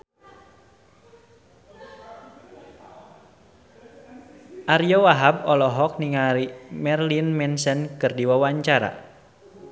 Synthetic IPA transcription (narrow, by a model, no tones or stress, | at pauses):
ʔarijɔwaɦab̚ɔlɔɦɔk̚niŋaɾimɛrlinmɛnsɛnkɨrdiwawaɲt͡ʃaɾa̰